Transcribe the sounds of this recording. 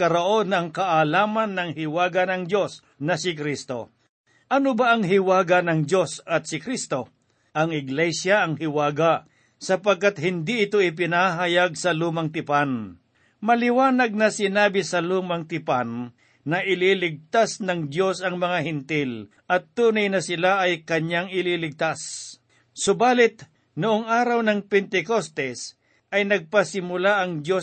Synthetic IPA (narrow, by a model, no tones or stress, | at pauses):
kɐɾoʔo̞nɐŋkɐʔalaːmɐnːɐŋhɪwaːɡɐnɐŋd̪jo̞s | nɐsɪkɾist̪o̞ | ʔɐnobaʔɐŋɦɪwaːɡɐnɐŋdjo̞sɐt̪sɪkɾist̪o̞ | ʔɐŋɪɡlɛsjaʔɐŋhɪwaːɡa | sɐpɐɡ̚kːat̪̚hɪnd̪iʔɪt̪o̞ɪp̬ɪnaɦɐjaɡ̚sɐluːmɐŋt̪ɪpan | mɐlɪwaːnɐɡ̚nɐsɪnaːbɪsɐluːmɐŋt̪ɪpanː | ɐʔɪlilɪɡ̚t̪asnɐŋd̪jo̞sɐŋmɐŋahɪnt̪ɪl | ʔɐt̪ːuːnɐjnɐsɪlaʔɐjkɐɲaŋɪliːlɪɡ̚t̪as | sʊbaːlɪt̪ | nʊʔoŋaːɾɐwnɐŋpɛnt̪ɛkost̪ɛs | ʔɐjnɐɡ̚pɐsɪmʊlaʔɐŋd̪jo̞